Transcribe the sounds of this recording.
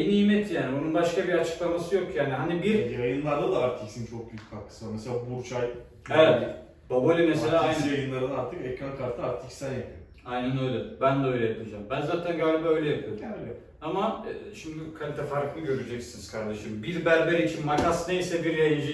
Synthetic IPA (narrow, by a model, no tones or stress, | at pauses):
niiːmɛt̪jaːniununbaʃkabiɾat͡ʃʰɯ̥klˠamasɯjo̞kjaːniɦanibiɾjajɯnlˠaɾd̪ad̪aːɾt̪ʰiksint͡ʃʰok̚byjyc̚ʲkʰak̪ʰːɯ̥sɯvameseaːbuɾt͡ʃʰaj | evɛt̪ | b̪̥obolʲimeselʲaːajnjajɯnlˠaɾɯnaɾt̪ʰɯkɛkɾankʰaɾt̪ʰɯaɾt̪ʰicsænjapʰɯo | ajnænø̞jlʲɛbænd̪ɛø̞jlʲɛjapʰɯd͡ʒaːmbænzaːt̪ʰænɡaːlʲibaːø̞jlʲɛjapʰɯjoɾɛvɛt̪ | amaɛːʃimd̪ikʰalʲit̪ʰɛfaɾklˠɯɟø̞ɾyd͡ʒɛcsiniz̥kʰaɾd̪e̞ʃɯmbiɾbæɾbeɾit͡ʃʰinmakasnejisɛbiɾjajɯnd͡ʒ